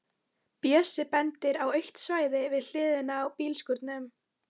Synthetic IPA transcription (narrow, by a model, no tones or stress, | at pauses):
pjɛːsɪpɛnt̪ɪɾawœɥht̪svaːjðɪvɪðl̥ɪːðʏnaːwpiːlskʏɾt̪nʏm